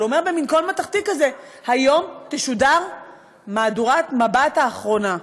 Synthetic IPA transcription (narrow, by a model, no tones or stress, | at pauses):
omeʁbeminkolmataχtikazehajo̞mteʃudaʁ | maːduʁatmabathaːχʁo̞na